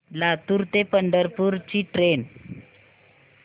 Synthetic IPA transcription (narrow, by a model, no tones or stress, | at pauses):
lat̪uɾt̪epəɳɖəɾpuɾt͡ɕiʈɾen